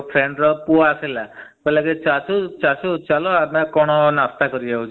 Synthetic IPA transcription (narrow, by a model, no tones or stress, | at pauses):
pʰɾeɳɖɾɔpuaselakɔlaket͡ʃasut͡ʃasut͡ʃalɔamakɔɽ̃ɔnast̪akɔɾid͡ʒaut͡ʃʰ